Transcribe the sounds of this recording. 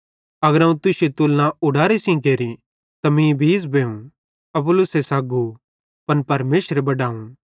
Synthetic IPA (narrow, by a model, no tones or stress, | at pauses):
ɐɡəɾãũt̪ʊset̪ʊlːãʊɽaːɾesĩkeːɾĩ | t̪ɐmĩbʱiːsbeːũ | ɐpʊlʊsesaːɡu | pɐnpɐɾmeːsɾebɐɖaːũ